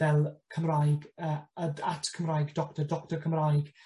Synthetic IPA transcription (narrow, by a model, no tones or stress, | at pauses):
ɛlˠkʰəmrajɡəːəatʰkʰəmrajɡdɔktədɔktərkʰəmrajɡ̥